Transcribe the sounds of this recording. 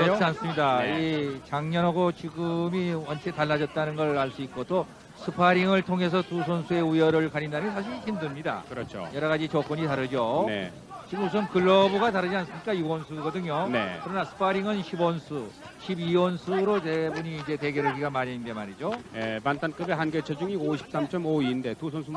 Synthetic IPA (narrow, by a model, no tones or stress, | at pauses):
ʌans͈ɯmɲidait͡ɕaŋɲʌnɦaɡot͡ɕiɡɯmiwʌnt͡ɕʰetaɭːad͡ʑʌt̚t͈anɯnɡʌɭaɭs͈uik̚k͈ot͈o | sʰɯpʰaɾiŋɯɭtʰoŋe̞s̬ʰʌtusʰonsʰue̞ujʌɾɯɭkaɲindanɯmjʌnsʰaɕ̬ʰiɾçimdɯmɲida̰kɯɾʌt͡ɕʰo̰jʌɾʌɣad͡ʑit͡ɕʌk͈wʌɲitaɾɯd͡ʑone | t͡ɕiɡɯmus̬ʰɯmkɯɭːʌbuɡataɾɯd͡ʑians͈ɯmɲik͈ajuɡwʌnsʰuɡʌdɯɲjonḛkɯɾʌnasʰɯ̥pʰaɾiŋɯnɕʰibwʌnsʰu | ɕʰibiwʌnsʰuɾote̞buɲiːnd͡ʑe̞te̞ɡeɾeɡiɡamaɾaindemaɾid͡ʑojemantʰank͈ɯbeɦanɡet͡ɕʰʌd͡ʑuŋioɕʰi̥p̚s͈amt͡ɕ͈ʌmoinde̞tusʰonsʰu